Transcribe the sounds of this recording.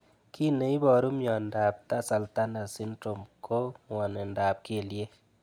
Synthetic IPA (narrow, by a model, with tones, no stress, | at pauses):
kʰi˦ne˨˦i˦bɔ˨ɾu˦mjɔ˨nda˨p̚ta˦sa˨lta˦na˨si˦ndɾo˨mkʰo˦ŋɔ˨ne˨nda˨p̚ke˨lje˦